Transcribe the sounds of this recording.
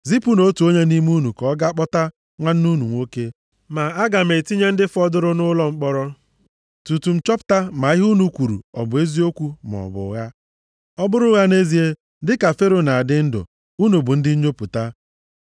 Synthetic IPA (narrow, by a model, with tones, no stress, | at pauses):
zi˦pu˦no˦tu˨o˦ɲe˦ni˦m˦u˦nu˨kɔ˦ɡa˦k͡pɔ˦ta˦ | ŋʷa˦n̩˦nu˦nu˨ŋʷo˦ke˦ | ma˨a˦ɡa˨me˨ti˦ɲe˦n̩˦dɪ˦fɔ˦dʊ˦ɾʊ˦nʊ˦lɔ˦ŋ͡m̩˦k͡pɔ˦ɾɔ˦ | tu˨tu˨m̩˨t͡ʃɔ˦pʊ̥˨ta˦ma˨ɪ˦ɦu˦nu˦kʷu˨ɾṵ˨ɔ̰˨bʊ˨e˦zi˦o˦kʷu˦m˨ɔ̰˨bʊ̰˨˦ɣa˦ | ɔ˦bʊ˦ɾʊ˦ɣa˦ne˦zi˨e˦ | dɪ˦ka˨fe˦ɾo˨na˨a˨dɪ˦n̩˦dʊ̰˨ | u˦nu˨bʊ˨n̩˦dɪ˦ɲo˦pʊ˨ta˦